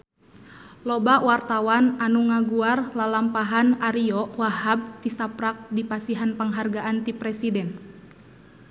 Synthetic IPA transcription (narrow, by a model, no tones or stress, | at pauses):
lɔbawart̪awananuŋaɡuarlalampaɦanaɾiɔʔwaɦab̚t̪isapɾak̚dipasiɦanpəŋɦarɡaʔant̪ipɾɛsidɛn